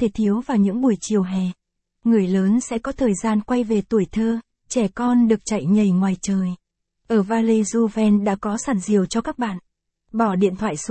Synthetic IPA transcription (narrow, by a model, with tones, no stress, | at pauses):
t̪ʰe˨˩t̪ʰi˨˦əwvaː˨˩wɲɨ̰˧˥ŋɓu˧˩əjt͡ɕi˨˩əwɦɛ˨˩ | ŋɨ˨˩əjləː˨˦nsɛ̰˧˥kɔ˨˦t̪ʰəː˨˩jzaː˧nkwa˧jve˨˩t̪u˨˩əjt̪ʰəː˧ | t͡ɕɛ˧˩kɔ˧nɗɨ˨˩ək̚t͡ɕa˧˩jɲə˨˩jŋwaː˨˩jt͡ɕəː˨˩j | ʔəː˧˩vaː˧li˧zu˧vɛ˧nɗa̰ː˧˥kɔ˨˦saː˨˩nzi˨˩əwt͡ɕɔ˧kaː˦˥k̚ɓa̰ː˧˨n | ɓɔ˧˩ɗḭ˧˨ənt̪ʰwa̰ː˧˨js